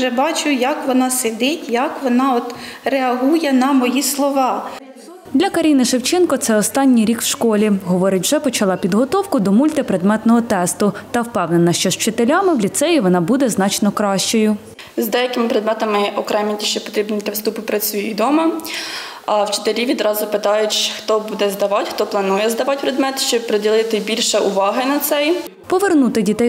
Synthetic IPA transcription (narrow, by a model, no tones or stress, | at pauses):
ʒɛbɑt͡ʃʊjɐkʋɔnɑsed̪ɪtʲjɐkʋɔnɑɔt̪reɐɦujɛnɐmɔjislˠɔʋɑ | d̪lʲɐkɐɾʲinɪʃewt͡ʃɪnkɔt̪sɛɔst̪ɑnʲːijɾʲikwʃkɔlʲiɦɔʋɔɾɪtʲwʒɛpɔt͡ʃɐlˠɑpʲid̪ɦɔt̪ɔwkʊd̪ɔmulʲt̪epɾed̪mɛt̪nɔɦɔt̪ɛst̪ʊt̪ɐwpɛwnenɐʃt͡ʃɔʃt͡ʃɪt̪elʲamɪwlʲit̪sɛjiʋɔnɑbud̪ɛznɑt͡ʃnɔkɾɑʃt͡ʃɔjʊ | zd̪ɛjɐkɪmɪpɾed̪mɛt̪ɐmɪʔɔkɾɛmɪtʲiʃt͡ʃɛpɔ̥t̪ɾʲibnit̪ʲɐwst̪upɪpɾɐt͡sʲujijd̪ɔmɐ | wt͡ʃɪ̥t̪eɾʲiʋʲid̪ɾɑzʊpɪt̪ɑjʊtʲt͡ʃxt̪ɔbud̪ɛzd̪ɐʋɑtʲxt̪ɔplˠɐnujɛzd̪ɐʋɑtʲpɾed̪mɛt̪ʃt͡ʃɔbpɾɔdʲilˠɪt̪ɪbʲilʲʃɛʔʊʋɑɦɪnɐt̪sɛj | pɔʋernut̪ɪdʲit̪ɛj